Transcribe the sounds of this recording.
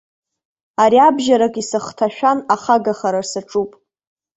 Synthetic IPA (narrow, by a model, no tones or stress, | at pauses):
aɾiabʒaɾakʼisɨχtʰaʃᶣanaχaɡaχaɾarsaʈ͡ʂʼupʼ